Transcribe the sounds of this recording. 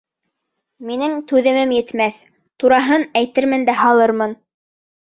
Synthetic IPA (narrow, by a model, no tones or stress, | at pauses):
minɘŋt̪ʉðɘ̆mɘmjɘ̆t̪mæθ | t̪uɾɑɦɤnæjt̪ɘɾmɘ̆nd̪æɦɑlˠɤɾmɤn